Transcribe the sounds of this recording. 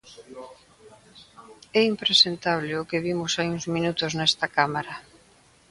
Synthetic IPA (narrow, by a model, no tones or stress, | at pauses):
ɛimpɾesent̪aβleʊkɪβimʊsajuŋzminut̪ʊznɛst̪ɐkamaɾɐ